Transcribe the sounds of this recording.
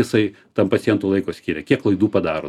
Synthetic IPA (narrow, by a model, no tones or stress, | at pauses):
ɪsɐɪ | t̪ɐmpɐt̪sʲɪjɛnt̪uːlˠɐɪkoːsʲkʲiːɾʲɛkʲiɛklˠɐɪd̪uːpɐd̪ɑːɾo̰